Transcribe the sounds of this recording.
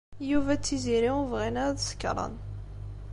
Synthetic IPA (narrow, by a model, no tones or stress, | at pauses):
juvæt͡sːiziɾiuvʁinæðsə̥kːɾˤɑ̰n